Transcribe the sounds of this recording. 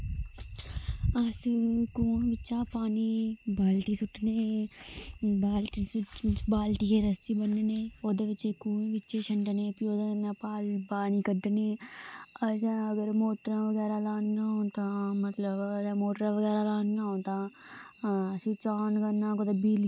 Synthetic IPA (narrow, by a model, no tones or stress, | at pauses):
ɐsikũːbɪːt͡ʃãːpaːnibaːlʈisʊʈneː | baːlʈisbaːlʈikeɾəst̪ibɐnːeneːoːd̪eʋɪt͡ʃekuːẽbɪt͡ʃeʃəɳʈnẽːpioːd̪napaːlpaːnikəɖneːəsãəɡəɾmoːʈɾãʋəɡɛːɾalaːnnaõt̪ãmɐt̪ləbɐsamoːʈɾãʋəɡɛːɾalaːnnaõt̪a | sit͡ʃaːnkɐɾnãːkot̪ɐbiːl